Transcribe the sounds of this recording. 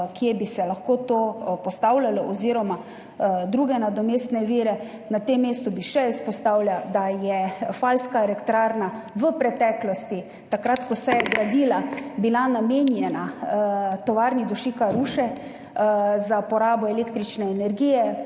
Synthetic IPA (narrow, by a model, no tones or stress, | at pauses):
kjebisɛlaxkot̪opɔst̪awlʲalɔʔɔziɾɔma | d̪ɾuɡɛnad̪ɔmeːst̪nɛʋiːɾɛ | nat̪emːeːst̪ubiʃɛispɔst̪awlʲjad̪ajɛfalskaɛlɛkt̪ɾaːɾnaʋəpɾɛt̪ɛklɔst̪i | t̪akɾat̪kɔsɛjɛɡɾad̪iːlabilanamenjɛna | t̪ɔʋaɾnid̪uʃiːkaɾuːʃɛ | zapɔɾaːbɔɛleːkt̪ɾit͡ʃnɛːnɛɾɡiːjɛ